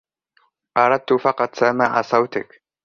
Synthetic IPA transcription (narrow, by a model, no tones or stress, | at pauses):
ʔɑɾˤɑd̪̚t̪ʊfɑqɑt̪ˤsamaʕasˤɑwt̪ɪ̰k